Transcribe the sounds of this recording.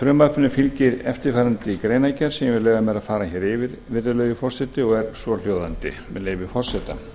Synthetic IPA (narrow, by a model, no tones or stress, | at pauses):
fɾʏmapʰʏnʏfɪlcɪɾɛft̪ɪɾfajɾant̪ɪikɾeːjnajcaɾ̥sɛvɪðlœːɣamɛðaðfaːɾaçɛːɾɪvɪɾvɪɾɪlœːɥɣʏfɔr̥sɛt̪ɪɔɣɛɾ̥svɔl̥joːwðant̪ɪ̰mɛðleːjvɪfɔr̥sɛt̪a̰